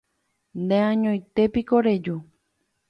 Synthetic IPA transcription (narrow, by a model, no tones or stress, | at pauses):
nd̪eãɲõjt̪epikoɾed͡ʒu